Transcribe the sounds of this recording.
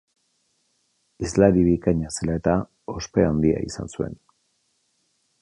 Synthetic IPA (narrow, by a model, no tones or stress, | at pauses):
izlaɾiβikaɲaselae̞t̪a | o̞spe̞and̪ia̰isa̰nsue̞̰n